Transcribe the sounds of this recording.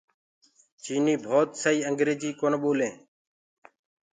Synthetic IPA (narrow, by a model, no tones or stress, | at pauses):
t͡ʃiːniːbʱoːt̪səiːəŋɡɾeːd͡ʒiːkoːnɓoːlẽː